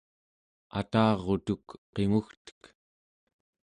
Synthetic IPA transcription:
a̰t̪ɑːʁot̪ukqe̞ŋuxt̪ə̥k

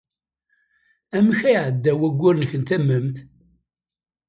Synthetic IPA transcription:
æməçæjʕəd̪ːæwæɡʷːʊɾnəçənt̪æmːəmθ

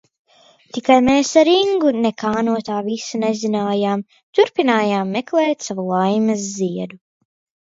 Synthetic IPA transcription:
t̪ikajmeːsaɾiŋɡunekaːnuɔt̪aːvisunezinaːjaːm | t̪uɾpinaːjaːmːeklˠɛːt̪ʲsavulˠajmɐzːiɛd̪u

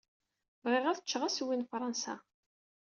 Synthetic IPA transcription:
vʁɪʁæθət͡ʃːʁæswinfɾˤɑnsa̰

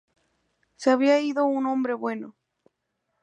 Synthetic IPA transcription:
seaβiaiðounõ̞mbɾe̞βwe̞no

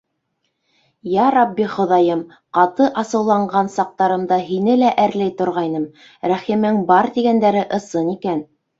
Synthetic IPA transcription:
jɑɾɑbːiχŏðɑjɤm | qɑt̪ɤʔɑsɤ̆wlˠɑɴɢɑnsɑq̚t̪ɑɾɤ̆md̪ɑɦinɘlæʔæɾlæjt̪ŏɾʁɑjnɤm | ɾæχimɘŋbɑɾt̪iɡænd̪æɾɘʔɤ̆sɤnikæn

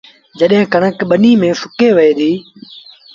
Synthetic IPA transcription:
d͡ʒəɗɦɪ̃ːkəɳəkɓəniːmẽːfʊkeːʋəeːd̪iː

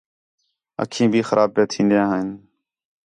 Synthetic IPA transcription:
ə̰kʰĩːbʱiːxəɾʔaːb̚peːt̪ʰĩːnd̪jãːɦəɪn

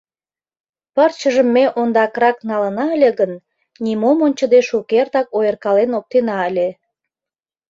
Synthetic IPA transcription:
pərt͡ɕəʒəmːeʔond̪ɑkrɑknɑlənɑəlʲeɣən | nʲimomonʲt͡ɕəd̪eʃukert̪ɑkojərkɑlenok̚t̪enɑəlʲe

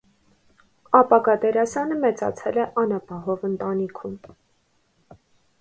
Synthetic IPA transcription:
ɑpɑɡɑd̪ɛɾɑsɑnəmɛt͡sɑ̰t͡sʰɛlɛʔɑnɑpɑɦɔvənt̪ɑnikʰum

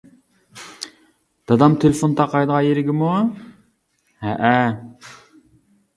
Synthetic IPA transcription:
d̪̥ɑd̪ɑmt̪ʰelɪfont̪ɑqʰɑjd̪əʁɑjeɾɪɡʲɪmu | hɛʔæ

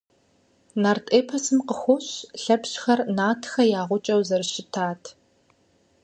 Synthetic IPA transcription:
nartʼeːpʰɐsɨmqəxʷʊɕɬɐpɕxɐrnaːtʰxɐjaːʁʷʊt͡ʃʼɐwzɐrɨʃɪtʰaːtʰ

